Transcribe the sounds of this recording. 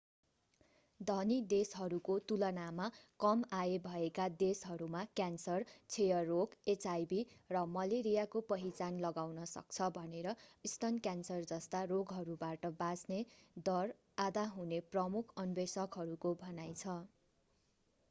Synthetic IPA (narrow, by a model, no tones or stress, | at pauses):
d̪ʱʌnid̪esɦʌɾukot̪ulʌnamakʌmaebʱʌekad̪esɦʌɾumakjansʌrt͡sʰejʌrːoket͡sajbirʌmʌleɾijakopʌɦit͡sanlʌɡawnʌsʌ̰k̚t͡sʰʌbʱʌneɾʌist̪ʌnkjansʌrd͡zʌst̪aroɡɦʌɾubaʈʌbasned̪ʌr | ad̪aɦuneprʌmukʰʌnbesʌkɦʌɾukobʱʌnajt͡sʰʌ